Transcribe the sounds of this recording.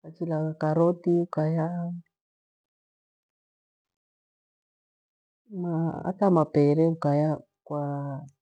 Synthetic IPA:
kat͡ʃilaakaɾɔtiukaja | maa̰tamapɛɾɛukaja | kwa

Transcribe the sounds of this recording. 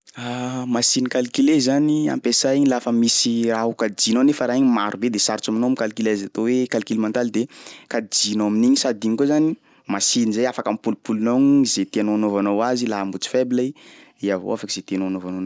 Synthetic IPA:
amasinikalikilezania̰mpesaiɲilafəmisiɾaɦukad͡ʒinonefəɾaiɲimaɾubed̪esaɾt͡saminomikalikilazat̪owekalikilimant̪ald̪ekad͡ʒinoaminiɲisad̪iɲkuzani | masinizajafakampulupulunoɲzet̪ianoanovanowazilaɦambut͡si̥febli | iavo̰afakiz̥et̪eanoanovanon

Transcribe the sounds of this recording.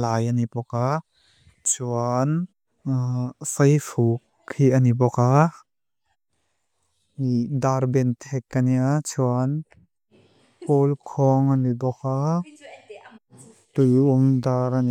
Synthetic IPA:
lajanipɔka | t͡sʰuan | sɐjfukʰːianibɔka | idaɾbɛntʰɛkːaniat͡sʰuan | pɔlkʰɔŋanibɔka | tujumdaɾani

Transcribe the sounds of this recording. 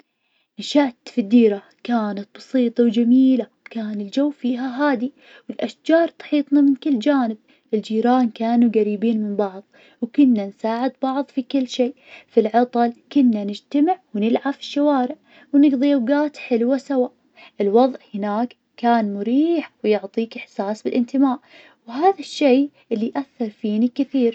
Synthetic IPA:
nɪʃaːt̪fid̪ːiːɾa | kaːnat̪̚bɑsiːt̪ˤɑwd͡ʒamiːla | kaːnɪld͡ʒawːfiːɦaɦaːd̪i | wɪlʔaʃd͡ʒɑːɾˤt̪ˤɑ̥ħiːt̪ˤnamɪnkɪlːd͡ʒaːnɪb̚ | ʔɪld͡ʒiːɾaːnkaːnuɡaɾiːbiːnmɪmbɑʕðˤ | wkʊnːansaːʕɪd̪bɑʕðˤfikɪlːʃeː | filʕɑt̪ˤɑlkʊnːanɪd͡ʒt̪amɪʕwnɪlʕafɪ̥ʃːawaːɾɪʕ | wnɪɡðˤijawɡaːt̪ħɪlwasawaʔ | ʔɪlwɑðˤʔhɪnaːk | kːaːnmʊɾiːħwjʊʕt̪ˤiːkɪħsaːsbɪlʔɪnt̪ɪmaːʔ | whaːðaʃːeː | ʔɪlːiʔaθːɑɾˤfiːnikɪθiːɾ

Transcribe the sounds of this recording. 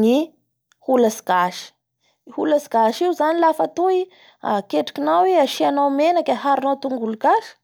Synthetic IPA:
ni | hulasi̥ɡ̥aʃi̥ | hulasiɡaʃiuzanilafat̪ui | a̰keʈ͡ʂḁkʲinaweaʃianawmenakʲəɦaɾinawt̪uŋɡuluɡaʃi̥

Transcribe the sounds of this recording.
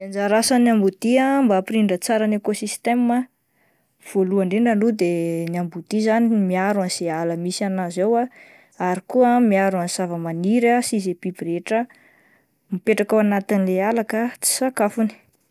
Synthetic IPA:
and͡zaɾasanjambud̪̥iambapiɾiɳɖ͡ʐət͡saɾanekosist̪ema | v̥oluaɳɖ͡ʐeɳɖ͡ʐalud̪eniambud̪̥izanimiaɾanz̥ealəmisanazewa | aɾikuamiaɾuansavəmaniɾasizepibiɾeʈ͡ʂə | mipeʈ͡ʂakawanat̪inilealakət͡si̥sakafuni̥

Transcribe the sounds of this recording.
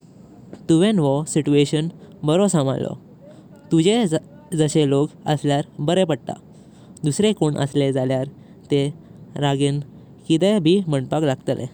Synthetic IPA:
t̪uʋenʋɔsit͡ɕueɕənbəɾosama̰lɔ̰ | t̪ud͡ʑe | d͡zəɕelokə̰sljaɾbəɾepəɽt̪a̰ | d̪usɾekoɳʔə̰sled͡zaljaɾ | t̪eɾaɡen | kid̪əbʱiːməɳɖpaklaɡ̚t̪əlʔḛ

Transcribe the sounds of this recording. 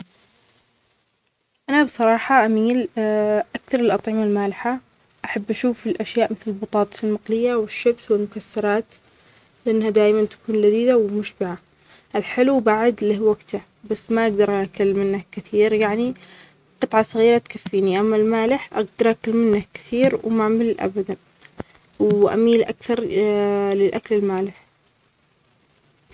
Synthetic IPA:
ʔanabsˤɑɾˤɑːħɑʔamiːlʔakθɑɾˤɪlʔɑt̪ˤʕɪmalmaːlɪħa | ʔaħabːʔaʃuːfɪlʔaʃjaːʔmɪθlɪlbɑt̪ˤɑːt̪ˤsɪlmaqlɪjːawɪʃːabswɪlmʊkasːɑɾˤɑːt̪ | lɪʔanːhad̪aːjmant̪ḁkuːnlad̪iːd̪awɪmʊʃbɪʕa | ʔɪlħɪlubaʕd̪lːihwaɡt̪a | basːmaʔaɡ̚d̪ɑɾˤʔakalːmɪnːakːɪθiːɾjaʕni | qɨt̪ˤʕɑsˤɑɣiːɾat̪kafːiːniʔamːalmaːlɪħʔa̰ɡd̪ɑɾˤʔakɪlmɪnːakɪ̥θiːɾwmaʕmɪlːʔa̰bad̪an | wʔa̰miːlʔa̰kθɑɾˤ | lɪlʔaklɪlmaːlɪħ

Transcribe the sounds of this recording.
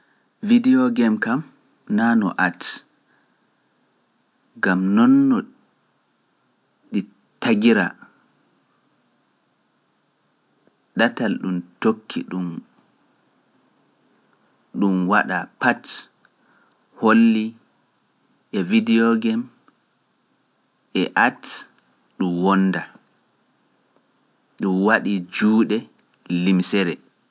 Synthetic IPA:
vidiɔɡɛmkam | nanɔ̰ʔat | ɡamnɔnːɔ | ɗi | taɡiɾa̰ | ɗatalɗumtokʰːḭɗum | ɗumwaɗapat | holːi | ʔɛvidiɔɡɛm | ʔɛʔat | ɗumwɔnda | ɗumwaɗid͡ʒuːɗɛ | limsɛɾɛ

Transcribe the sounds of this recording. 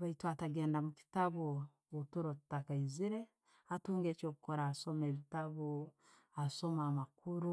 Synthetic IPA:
βaitwataɡe̞ːndamuki̥taβo | otuɾotu̥takaiziɾe̞ | atuːŋɡeːcoːku̥koɾaːso̞meːβitaβo | aso̞maːmakuɾu

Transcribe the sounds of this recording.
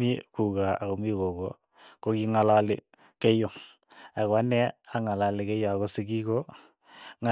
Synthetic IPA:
ikukaakomikoko | kokiŋalalɪ | kejo | akanɛaŋalalɪkejoakosɪkiko | ŋa

